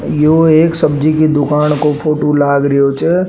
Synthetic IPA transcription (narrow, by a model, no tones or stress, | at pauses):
joeːksɐbd͡ʒikid̪ʊkaːnkopʰoːʈolaːɡɾəot͡ʃe